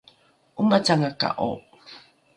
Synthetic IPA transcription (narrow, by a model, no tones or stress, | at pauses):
ʔumat͡saŋaka̰ʔo̰